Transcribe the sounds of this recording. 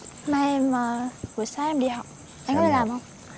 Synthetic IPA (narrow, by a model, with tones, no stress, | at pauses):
ma˧˩jmaː˨˩vɨ˨˩əjsaː˧ʔɛ˧mɗḭ˧˨hɔ˨˩˨w̚ | ʔa˧ŋkɔ˧˦˥e˨˩aː˨˩mhə˧wŋ͡m